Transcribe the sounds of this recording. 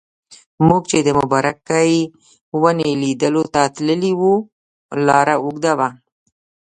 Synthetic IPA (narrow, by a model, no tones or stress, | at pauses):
muɡ̚t͡ʃed̪əmʊbɑɾakaji | wənelid̪əlot̪at̪ləliwu | lɑɾauɡd̪awa